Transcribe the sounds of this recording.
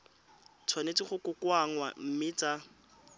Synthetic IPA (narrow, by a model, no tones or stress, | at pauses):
t͡sʰwanet͡siχʊkʊkwaŋ̩wa̰m̩mɪt͡sa